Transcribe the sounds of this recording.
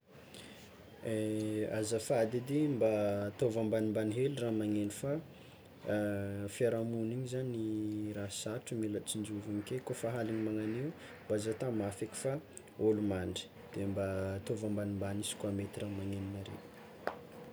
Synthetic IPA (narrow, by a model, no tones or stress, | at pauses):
eazafad̪id̪imbat̪ovambanimbaniɦeluramaŋenifa | fiaɾamuniɲizanirasaʈ͡ʂumilat͡sind͡ʒuvuɲikekofaɦaliɲimaŋanew | mbazat̪amafiki̥fa | olumaɳɖ͡ʐə̥ | d̪̥embat̪ovambanimbanisi̥kwamet̪iramaŋeninaɾḛ